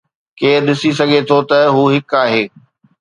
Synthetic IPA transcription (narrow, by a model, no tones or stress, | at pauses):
keːɾɗɪsisɐɡʱet̪ʰot̪ɐɦuːɦɪkaːɦeː